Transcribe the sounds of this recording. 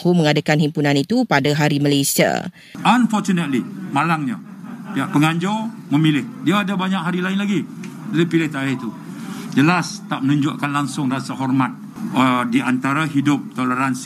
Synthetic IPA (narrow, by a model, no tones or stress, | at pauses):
humə̃ŋadakanɦimpunãnit̪upadaɦaɾiməlesia̰ | anfɔt͡ʃunət̪limalaŋɲa | piaʔpəŋaɲd͡ʒɔ | mə̃milɪhdiaːdabaɲaʔkɦaɾilaɪnlaɡi | dalipilɪht̪aɪht̪u | d͡ʒəlast̪aʔmənũɲd͡ʒʊʔkanlaŋsʊŋrasaɦɔrmat̪̚ | ədiʔant̪aɾaɦidʊp̚t̪oləɾans